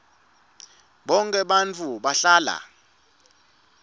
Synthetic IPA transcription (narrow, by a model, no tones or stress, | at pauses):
ɓɔŋkʼɛɓant͡fʰuɓaɬaːla̰